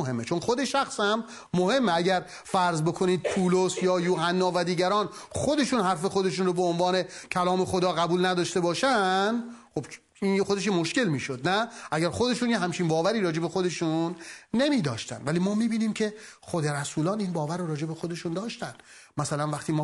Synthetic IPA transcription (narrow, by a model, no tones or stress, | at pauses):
ɦe̞mːe̞t͡ʃʰo̞nxo̞d̪e̞ʃæxshæmː | ohe̞mːeæɟæɾ | fæɾzbo̞kʰoniːd̪̚pʰuːlosjɒːjuːhænːɒːvæd̪iːɟæɾɒːnxod̪e̞ʃuːnhæɾfe̞xod̪e̞ʃ̬uːnɾobeonvɒːne̞cʰælɒːme̞xo̞d̪ɒːɣæbuːlnæd̪ɒːʃt̪e̞bɒːʃænd̪χob | inxod̪e̞ʃ̬emoʃke̞lmiːʃo̞d̪næʔæɟæɾxo̞d̪e̞ʃuːnjeɦæmt͡ʃʰinbɒːvæɾiːɾɒːd͡ʒe̞be̞xod̪e̞ʃunːe̞miːd̪ɒ̰ːʃt̪æ̰nd̪væliːmɒːmiːbiːniːmcʰe̞xod̪e̞ɾæsuːlɒːniːnbɒːvæɾːoɾɒːd͡ʒe̞be̞xod̪e̞ʃund̪ɒːʃt̪ænd̪mæsælænvæχt̪ʰiːmɒː